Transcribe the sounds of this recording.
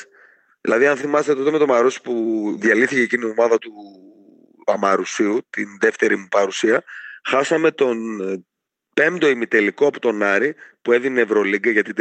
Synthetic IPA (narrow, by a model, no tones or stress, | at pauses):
ðilɐðiɐnθimɐst̪et̪ot̪eme̞t̪omɐɾusi̥puðjɐliθice̞ːcinio̞mɐðɐt̪u | ɐmɐɾusiut̪inðe̞ft̪e̞ɾimupɐɾusiɐxɐsɐme̞t̪o̞n | pe̞md̪o̞imit̪e̞likoɐpot̪o̞nɐɾipue̞ðinevɾo̞liɡɐʝɐt̪it̪